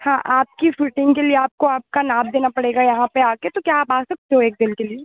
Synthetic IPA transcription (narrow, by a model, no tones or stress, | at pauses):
hãːʔaːp̚kifuʈɪ̃ŋɡkelieaːp̚koaːp̚kanãːmd̪eːnapɐɽeːɡajɐɦãpeaːket̪okjaːpaːsɐk̚t̪eɦõeːk̚d̪ɪlkelie